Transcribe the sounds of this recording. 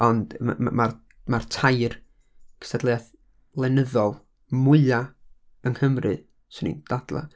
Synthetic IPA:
ɔnd̰mar | martʰajr | kʰə̥stadlˠejaθ | lˠɛnəðɔlˠ | mʊɨa | əŋhəmrɨ | sɪnḭnd̥ad̥lˠa̰

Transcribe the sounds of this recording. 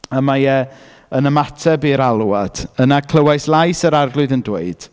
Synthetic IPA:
əmajɛ | ənəmatʰɛbiːɾalˠuad̥ənakʰl̥ˠəwajslˠajsəɾarɡlˠʊɨðəndweɨd̥

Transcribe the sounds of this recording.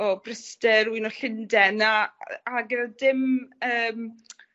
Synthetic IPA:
ɔbrɪstɛɾwinɔɬɪndɛnaaɡɛnadɪməːm

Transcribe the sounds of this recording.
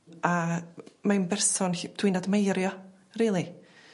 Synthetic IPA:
amanbɛrsɔnhdʰwiːnadmejɾjɔ | riːlˠi

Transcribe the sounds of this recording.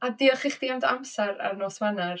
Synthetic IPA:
adiɔχɪχd̥iamdamsɛɾa̰rnoːsvanar

